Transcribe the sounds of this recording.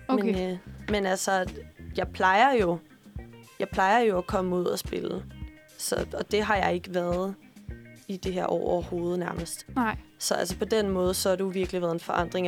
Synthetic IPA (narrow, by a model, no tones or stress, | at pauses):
mmenmenælsɒjɑ̈ɪpʰlɑ̈ɪɐjo̝ | jɑ̈ɪpʰlɑ̈ɪɐjo̝ækʰɒ̽məuð̞̰ˠæsb̥e̝lə | sɒ̽ɒ̽d̥e̝ɦɑ̈jɑ̈ɪe̝ɡ̥əʋæːɐð̩ˠ | id̥e̝ɦeɐʔɒ̰ʊɒɐho̝ːð̞ˠnæɐməsd̥sɒ̽æls̬əpʰɒ̽d̥enmɔːð̞ˠsɒ̽hɑ̈d̥ejo̝ʋiɐɡ̥liʋæːɐð̞ˠenfɒʔɑ̈n̰d̥ʁeŋ